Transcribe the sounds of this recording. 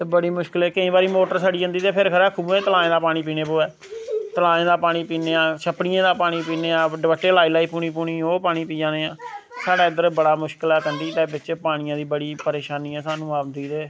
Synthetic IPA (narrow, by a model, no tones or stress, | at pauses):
t̪eːbəɽiːmʊʃkəlɛːkəĩːbaːɾiːmoːʈəɾsaːɽiːə̃nd̪iːt̪eːpʰɪɾkʰəɾɛːkʰuːẽːt̪əlaːẽːd̪aːpaːɽ̃iːp̬iːneːpoːɛː | t̪əlaːẽːd̪aːpaːɽ̃iːpiːneːãːʃʰəpɽɪjãːd̪aːpaːɽ̃iːpiːneːãːɖɪʋəʈːeːlaːiːlaːiːpuːniːpuːniːoːpaːɽ̃iːpiːãːd̪eːãːsaːɖaːɪd̪əɾbəɽaːmʊʃkəlɛːkənd̪iːt̪ɛːbɪt͡ʃpaːɽ̃ɪjãːd̪iːbəɽiːpəɾeːʃaːniːɛːsaːnũːaːnd̪iːt̪eː